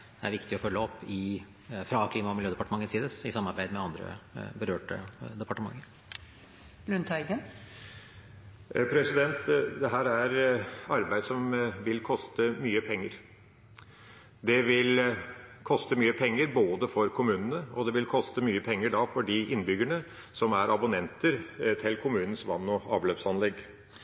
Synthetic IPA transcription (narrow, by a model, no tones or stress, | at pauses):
d̪̥ɛæ̰ɾʋɪkt̪ɪɔfœlːəɔpːɪ | fɾɑkʰliːmɑɔmɪljøːd̪əɛpɑʈəmɑŋːənsiːd̪əsɪsɑmːɑɾbæɪd̪mɛɑnd̪ɾə̰bəɾøːʈə̰d̪ɛpɑʈəmɑ̰ŋːəɾ | lʉnt̪ʰɑɪɡən | pʰɾɛsɪd̪ɛnt̪d̪ɛɦæːɾæɾɑɾbæɪd̪sɔmʋɪlkʰɔst̪əmyːəpʰɛŋːəɾ | d̪ɛʋɪlkʰɔst̪əmyːəpʰɛŋːəɾboːd̪əfɔɾkʰʊmʉːnənəɔd̪ɛʋɪlkʰɔst̪əmyːəpʰɛŋːəɖɑːfɔɖɪʔɪnːbʏɡəɳə | sɔmæɾɑbʊnɛnt̪əɾt̪ʰɪlkʰʊmʉːnən̩sʋɑnːɔɑːʋløːpsɑnlɛɡ